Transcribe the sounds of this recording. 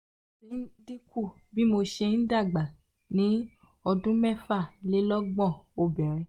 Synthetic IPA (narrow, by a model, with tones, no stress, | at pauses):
i˨˦di˦ku˦˨ | bi˦mo˧ʃe˧n̩˦da˦˨ɡ͡ba˨ | nĩ˨˦ | ɔ˧dũ˦mɛ˦˨fa˦˨le˦lɔ˦ɡ͡bɔ̃˦˨o˧˨bɛ˨ɾ̃ĩ˧˦